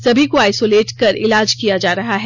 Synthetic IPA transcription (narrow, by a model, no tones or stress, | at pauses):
sɐbʱikoaːɪsoːleːʈkɐɾɪ̰laːd͡ʒkijad͡ʒaːɾɐɦaɦɛː